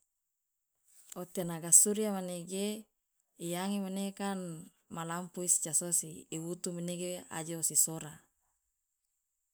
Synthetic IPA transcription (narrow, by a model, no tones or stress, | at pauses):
ot̪enaɡasuɾiamaneɡe | ijaŋimanekan | malampuist͡ʃasosiːwut̪umineɡea̰d͡ʒoosisoɾa